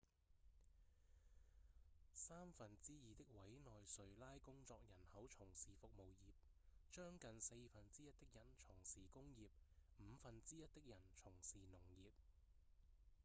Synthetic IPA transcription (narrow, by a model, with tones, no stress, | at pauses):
saː˥mfɐ˨nt͡siː˥jiː˨˧t̪ɪ˥k̚wɐ˨˥jnɔː˨jsɵ˨ɥlaː˥jkʊ˥ŋt͡sɔː˧k̚jɐ˨˩nhɐ˨˥wt͡sʰʊ˨˩ŋsiː˨˩fʊ˨k̚mo˨wjiː˨p̚ | t͡ʃœː˥ŋkɐ˨nse˧jfɐ˨nt͡siː˥jɐ˥t̚t̪ɪ˥k̚jɐ˨˩nt͡sʰʊ˨˩ŋsiː˨kʊ˥ŋjiː˨p̚m̩˨˧fɐ˨nt͡siː˥jɐ˥t̚t̪ɪ˥k̚jɐ˨˩nt͡sʰʊ˨˩ŋsiː˨nʊ˨˩ŋjiː˨p̚